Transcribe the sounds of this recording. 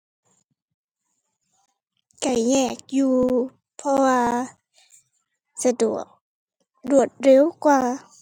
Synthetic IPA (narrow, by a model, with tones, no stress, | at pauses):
ka˨˩jɲɛː˧˩k̚juː˧ | pʰɔ˧waː˧ | sa˧du˨˩ək̚ | du˨˩ət̪̚ɾe˧˥˦wkwaː˧